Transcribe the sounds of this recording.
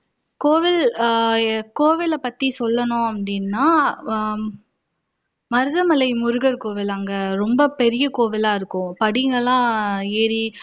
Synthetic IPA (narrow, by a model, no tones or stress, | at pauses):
koːʋɪl | koːʋɪlɐpɐt̪ːisɔlːɐnʊ̃ɐpɐɽinːaː | mɐɾɯðɐmɐlɐɪmʊɾɯɣɐɾkoːʋɪlɐŋɡɐɾɔmbɐpɛɾɪjɐkoːʋɪlaːɪɾɯkːʊ̃pɐɽɪŋɡɐlãːeːɾi